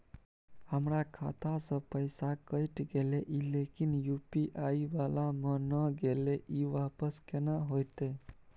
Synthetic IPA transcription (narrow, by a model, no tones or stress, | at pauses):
həmɾakʰa̰t̪ʰasə̃pəjsakəɪʈɡeleʔilekinjupiʔaiʋalamənəɡeleʔiʋapəskenəɦojt̪e